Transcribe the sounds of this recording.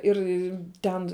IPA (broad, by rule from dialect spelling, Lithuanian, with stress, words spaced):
ˈɪr ˈtʲɛn